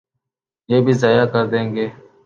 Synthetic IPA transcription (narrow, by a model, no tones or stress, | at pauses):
jeːbʱiːzaːjaːkəɾd̪ẽːŋɡeː